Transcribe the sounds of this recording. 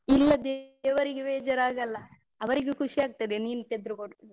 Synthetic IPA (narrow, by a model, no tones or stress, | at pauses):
ilːɐd̪eːʋɐɾiɡeʋeːd͡ʒɐɾaːɡɐlːɐ | ɐʋɐɾiɡekuʂijaːɡ̚t̪ɐd̪eniːnut̪ed̪ɾukoɽ